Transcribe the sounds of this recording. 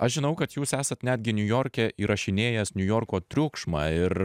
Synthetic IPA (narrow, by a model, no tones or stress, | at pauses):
ɐʃʒʲɪnɐʊkɐt̪juːsæːsɐt̪nʲæːd̪ʲɡʲɪnʲʊjoːɾʲkʲɛʔiːɾɐʃʲɪnʲeːjɛsnʲʊjoːɾkoːt̪ʲɾʲʊkʃmɑːɪɾ